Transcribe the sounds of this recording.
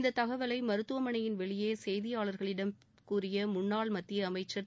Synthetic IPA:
nd̪ɐt̪ɐɣɐʋɐlɐɪmɐɾɯt̪ːɯʋɐmɐɳɐjɪnʋɛɭɪjeːsɛjðɪjaːɭɐɾɣɐɭɪɽɐm | kuːrɪjɐmʊɳːaːɭmɐt̪ːɪjɐːmɐɪt͡ʃːɐ

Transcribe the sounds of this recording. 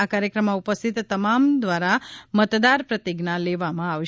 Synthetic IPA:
akaɾjəkɾəmːaupəst̪ʰit̪ːəmamd̪ʋaɾamət̪d̪aɾpɾət̪iɡnaleʋamãaʋʃ

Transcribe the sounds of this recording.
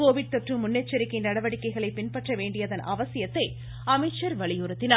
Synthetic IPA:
koːʋɪɽ̚t̪ɔʈrɯmʊnːɐt͡ʃːɐɾɪkːɐɪnɐɽɐʋɐɽɪkːɐɪɣɐɭɐɪpːɪnpɐʈrɐʋeːɳɖɪjɐðɐnʔɐ̰ʋɐsɪjɐt̪ːɐɪ | ɐmɐɪʈt͡ʃːɐɾʋɐɭɪjuɾɐt̪ːɪna

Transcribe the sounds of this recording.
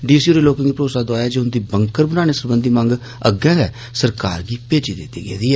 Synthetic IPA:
ɖiːsiuːɾeːloːkɪ̃ŋɡiːpɾoːsaːd̪aːjaːd͡ʒeːʊnd̪iːbəŋkəɾbənãːñeːsəɾbənd̪iːmə̃ŋɡ | ə̰ɡɛ̃ːɡ̪ɛː | səɾkaːɾɡiːpeːd͡ʒiːd̪ɪt̪ːḭːɡḛːd̪iːɛː

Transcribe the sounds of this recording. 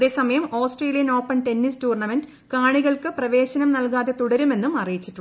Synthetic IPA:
ðe̞ːsɐmɐjɐmo̞ːsʈreːlijɐno̞ːpːɐnʈe̞nːistuːrɳɐmend | kaːɳiɣɐɭkɨprɐʋe̞ːɕɐnɐmnɐlkaːðe̞t̪uɽɐɾume̞nːumɐrijit͡ɕːiʈːu

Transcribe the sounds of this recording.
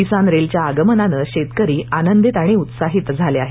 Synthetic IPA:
isanɾelt͡ɕjaːɡəmənanəɕet̪kəɾiːanənd̪it̪aɽ̃iut̪saɦit̪d͡zʱaleaɦe

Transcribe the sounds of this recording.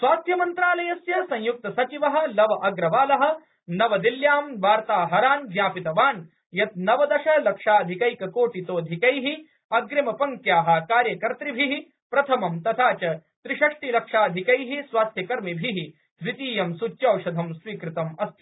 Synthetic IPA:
sʋaːst̪ʰjɐmɐnt̪ɾaːlɐjɐsjɐsɐ̃ɲ̃juk̚t̪ɐsɐt͡ʃiʋɐɦɐ̆lɐʋɐʔɐɡɾɐʋaːlɐɦɐ̆ | nɐʋɐd̪iljaːmʋaːɾt̪aːɦɐɾaːnd͡ʒ̪jaːpit̪ɐʋaːn | jɐt̪̚nɐʋɐd̪ɐʃɐlɐkʂaːd̪ʱikɐjkɐkoːʈit̪oːd̪ʱikɐjɦi | ɐɡɾɐmɐpɐŋkjaːɦɐ̆kaːɾjɐkɐɾt̪ɾibʱiɦi | pɾɐt̪ʰɐmɐmt̪ɐt̪ʰaːt͡ʃɐt̪ɾiʂɐʂʈilɐkʂaːd̪ʱikɐjɦisʋaːst̪ʰjɐkɐɾmibʱiɦi | ɾit̪iːjɐmsut͡ʃjɐwʃɐd̪ʱɐmsʋiːkɾɪt̪ɐmɐst̪ʰi

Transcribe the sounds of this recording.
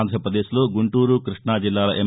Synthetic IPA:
nd̪ʱɐɾɐpɾɐd̪eːsloːɡuɳʈuːɾukɾiʂɳaːd͡ʒilːaːlɐʔem

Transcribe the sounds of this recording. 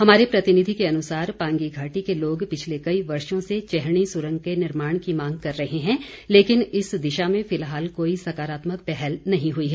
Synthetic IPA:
hɐmaːɾepɾɐt̪ɪnɪd̪ʱikeɐnʊsaːɾpãːŋɡiɡʱaːʈikeloːɡpɪt͡ʃʰlekɐiʋɐɾʃõset͡ʃɛɦɽ̃isʊɾə̃ŋɡkenɪɾmaːɽ̃kimãːŋɡ̚kɐɾːɐɦeɦɛ̃ːleːkɪnɪsd̪ɪʃamẽfɪlɦaːlkoːisɐkaːɾaːt̪mək̚pɛɦɛlnɐɦĩɦʊiɦɛː

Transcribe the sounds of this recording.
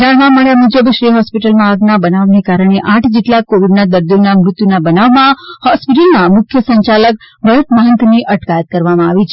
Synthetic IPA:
d͡ʒaɽʋãmaɭjamud͡ʒəbʃɾiɦɔspiʈəlmãəɡnabənaʋnekaɾəɽ̃eʔãʈʰd͡ʒeʈlakoʋiɖnad̪əɾd̪jonamɾʊt̪junabənaʋmãhɔspiʈəlnamʊkʰjəsəɲt͡ʃalək̚ | bʱəɾət̪maɦənt̪niʔəʈkajət̪̚kəɾʋamãaʋit͡ʃʰe

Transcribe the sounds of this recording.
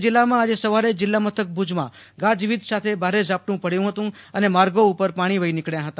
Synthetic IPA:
d͡ʒɪlːamãad͡ʒesəʋaɾed͡ʒɪlːamət̪ʰək̚bʱud͡ʒmã̰ | ɡãd͡ʒʋid̪sat̪ʰebʱaɾed͡ʒap̚ʈũpəɽjũɦət̪ũ | ənemaɾɡoupəɾpaɽ̃iʋəinɪkɽjãɦət̪a

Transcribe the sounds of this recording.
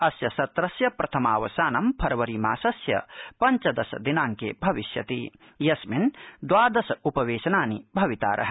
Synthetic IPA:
ɐsjɐsɐt̪ɾɐsjɐpɾɐt̪ʰɐma̰ːʋɐsaːnɐmpʰɐɾɐʋɐɾiːma̰ːsɐsjɐ̰pɐɲt͡ʃɐd̪ɐsɐ̰d̪inaːŋkḛːbʱɐʋiʃjɐ̰t̪iː | jɐsmind̪ʋaːd̪ɐsɐupɐʋeːʃɐnaːnibʱɐʋit̪a̰ːɾʔɐ̰ɦɐ

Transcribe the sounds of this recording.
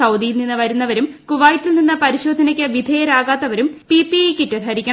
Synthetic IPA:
ɐwd̪ijilninːɨʋɐɾunːɐʋɐɾum | kuʋaːjtːilninːɐpɐɾiɕo̞ːd̪ʱɐnɐkʲːɨʋid̪ʱejɐɾaːɣaːt̪ːɐʋɐɾumpipiekːitːɐd̪ʰʱɐɾikʲːɐ

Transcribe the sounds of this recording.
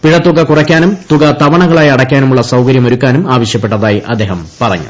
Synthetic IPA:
piɻɐt̪ːuɣɐkurɐkʲːaːnumt̪uɣɐt̪ɐʋɐɳɐɣɐɭaːjɐɽɐkʲːaːnumuɭːɐsɐwkɐɾjɐmoɾukʲːaːnumaːʋɐɕjɐpːe̞ʈːɐðaːjiʔɐ̰d̪ːeːɦɐmpɐrɐ̰ɲːṵ

